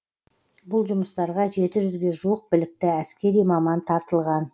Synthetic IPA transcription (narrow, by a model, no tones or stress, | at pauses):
bʊlˠʒʊməst̪ɑɾʁɑʒe̞t̪ɪʒʏzɡʲe̞ʒuwəq̚bɪlɪk̚t̪ɪæskʲe̞ɾijmɑmɑnt̪ʰɑɾt̪əlˠʁɑn